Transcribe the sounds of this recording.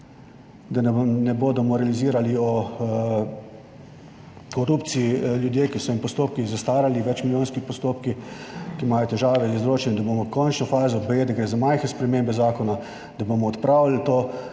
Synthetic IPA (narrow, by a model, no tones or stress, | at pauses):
d̪anɛboːd̪ɔmɔɾɛaliziːɾaliɔ | kɔɾup̪siiljud̪jeːkisɔimpɔst̪oːp̚kixzast̪aːɾaliʋɛt͡ʃmilʲjoːnskipɔst̪oːpkikimaːjɔt̪ɛʒaːʋɛizɾoːt͡ʃɛnid̪aboːmɔkɔnt͡ʃnɔfaːzɔbɛjeːd̪aɡɾeːzamajxɛspɾɛmeːmbɛzaːkɔna | d̪̥abomɔːt̪pɾaːwlilt̪oː